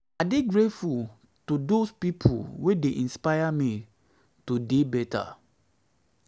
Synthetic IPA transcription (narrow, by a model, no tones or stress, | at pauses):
adeɡɹetful | tudospipʰṵlwedeʔĩnspajami | tudebɛtʰa̰